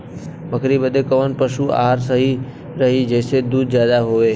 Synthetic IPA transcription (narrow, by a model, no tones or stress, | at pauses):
məkɾibəd̪ekəʋənpəʃua̰ːɾsəɦi | ɾɐɦid͡ʒɛːsed̪uːd̪̚zjaːd̪aɦoːʋeː